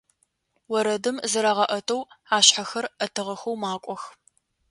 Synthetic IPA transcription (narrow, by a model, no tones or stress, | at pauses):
wɔɾɐdɨmzɐɾaːʁɐʔɐtʰʼɐwaːɕħaxɐrɐtʰɨʁɐxɐwmaːkʷʼɔx